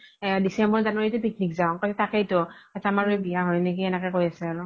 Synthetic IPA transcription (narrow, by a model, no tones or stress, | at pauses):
disɛmbɔɹzanaɹitʊpik̚nikzaʊ̃katɛtakejtʊatamaɹojbijaɦɔnekiɛnɛkɛkojasɛaɹʊ